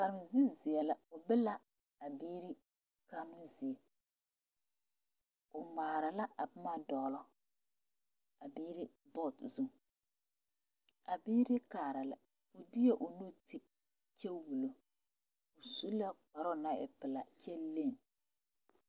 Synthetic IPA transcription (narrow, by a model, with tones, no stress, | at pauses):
ka˨ɾɪ˨m˨zɪ˦zɪ˨ɛ˨la˨ʊ˨bɪ˦la˦ | a˨biː˦ɾi˦ | ka˦mɪ˦zi˨ɛ˨ | ʊ˨maː˨ɾa˨la˦ʔa˨pʊ˦ma˦dɔ˨lɔ˦ | a˨biː˦ɾi˦ | bɔ˦˨tzu˦ŋ | a˨biː˦ɾɪ˦kaː˨ɾa˨la˨ | ʊ˨dɪ˦jɛ˦ʔʊ˨nu˦tʰi˦ | t͡ʃɛ˦wu˨lo˨ | ʊ˨su˦la˦k͡pɔ˨ɾɔ˦na˦ɪ̰˨pɪ˨la˨t͡ʃɛ˦le˦˨n